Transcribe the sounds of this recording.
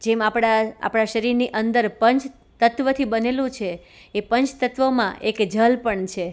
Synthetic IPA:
d͡ʒemapɽaa̰pɽ̃aʃəɾiɾniʔənd̪əɾpəɲt͡ʃ | t̪ət̪ʋət̪ʰibənelũt͡ʃʰeː | pəɲt͡ʃt̪ət̪ʋəmã̰ʔekd͡ʒʱəlpəɳt͡ʃʰe

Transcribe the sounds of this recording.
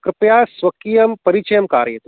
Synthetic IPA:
kɾɪpjaːswɐkijɐmpɐɾit͡ʃɐjɐmkaːɾjɐt̪

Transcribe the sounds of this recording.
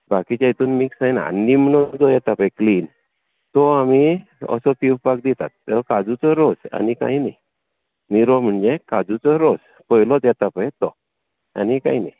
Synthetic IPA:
bakit͡ɕajt̪unmiksajna̰nːimənɔd͡zɔjɛt̪apajkliːn | t̪ɔamiə̰sɔpiwpak̚d̪it̪at̪ːɛkad͡zut͡sɔɾɔd͡za̰nika̰inaj | miɾɔm̤əɳd͡zekad͡zut͡sɔɾɔd͡z | pɔjlɔt͡sjɛt̪apajt̪ɔ | a̰nika̰jnaj

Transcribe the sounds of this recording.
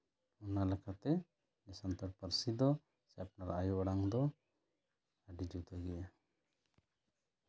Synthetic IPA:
ɔnalɛkʰat̪ɛ | nɛsant̪ɔɽ̚pəɾsid̪ɔ | sɛap̚naɾajuɔɽaŋd̪ɔ | aɖid͡ʒut̪ʰaɡɛja

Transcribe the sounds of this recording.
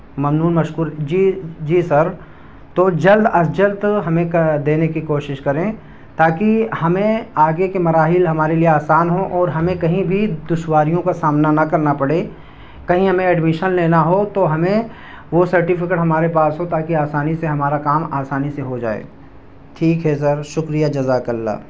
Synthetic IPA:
mɐmnuːnmɐʃkuːɾd͡ʒid͡ʒiːsɐɾ | t̪od͡ʒɐld̪ɐsd͡ʒəld̪ɦɐmẽkd̪eːnekikoːʃɪʃkɐɾẽː | t̪aːkihɐmẽaːɡekemɐɾaːɦɪlɦɐmaːɾelieaːsaːnɦõʔɔːɾɦɐmẽkɐɦĩbʱid̪ʊʃwaːɾijõkasaːmnanɐkɐɾnapɐɽe | kɐɦĩɦɐmẽɛɖmɪʃənleːnaɦot̪oɦɐmẽ | ʋosɐɾʈɪfɪkeʈɦɐmaːɾepaːsɦot̪aːkiaːsaːniseɦɐmaːɾakaːmaːsaːniseɦod͡ʒa̰ːḛː | ʈʰiːkɦɛs̬ɐɾʃʊkɾijad͡ʒɐzakɐlːa̰ː

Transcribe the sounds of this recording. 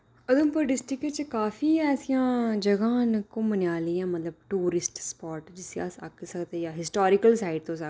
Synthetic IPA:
əd̪əmpəɾɖɪsʈɪket͡ʃkaːfiːɛːsijãːd͡ʒəɡãːnkõːmənjaːliːãːmət̪ləb̚ʈuːɾɪsʈspɔːɾʈd͡ʒɪsea̰sa̰kːsəkt̪ejaːɦɪsʈɔːɾɪkəlsaːɪɖ̚t̪õːsə

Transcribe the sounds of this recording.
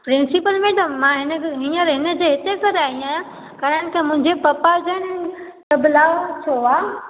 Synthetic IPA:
pɾɪ̃nsɪpəlmẽt̪ɐmãɦɪnəɦiɔɾɦɪnə̆d͡ʑeːɦɪt̪ekɐɾaːɦĩaːjã | kɐɾəɽ̃ɪ̆kʰeːmʊ̃ɦɪ̃ɲd͡ʑepɐpad͡ʑən | t̪ɐblaːot͡ɕʰoaː

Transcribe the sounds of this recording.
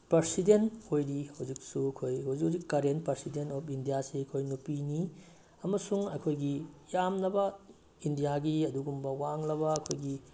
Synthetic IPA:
pɐɾsidentojɾihɐwd͡ʒik̚sukʰojɦɐwzikhazikːɐɾenpɐɾsidentɔpʰindijaseɐkʰojnupini | ɐmɐsuŋɐjkʰojɡijamnɐbɐ | indijaɡiɐduɡumbɐwaŋlɐβɐɐkʰojɡi

